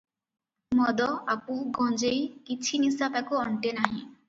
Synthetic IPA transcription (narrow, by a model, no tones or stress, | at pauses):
mɔd̪ɔapuɡɔ̃nd͡ʒejkit͡ʃʰinisapakuɔɳʈenaɦḭ̃